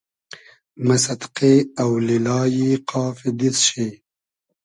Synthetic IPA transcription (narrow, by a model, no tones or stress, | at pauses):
masat̪qeawlilɑːjiqʰɑːfid̪isʃi